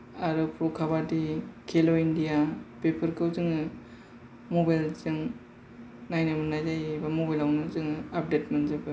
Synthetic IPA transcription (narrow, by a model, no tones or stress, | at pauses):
aɾɯpɾokʰaβadikʰeloindijapepʰəɾkɯwzɯŋɯ | mobajlzɯŋ | najnamɯnajzajbamobajlawnɯzɯŋap̚detmɐnzɯbɯ